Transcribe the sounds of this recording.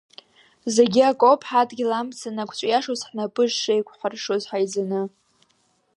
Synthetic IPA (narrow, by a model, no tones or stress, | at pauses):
zeɡʲiakʼopʰħatʼɡʲilamt͡sʰanakʷʰt͡ʃʷʼjaʂozħnapʼɨʒːejkʷʰʼħʷarʂozħajd͡zanɨ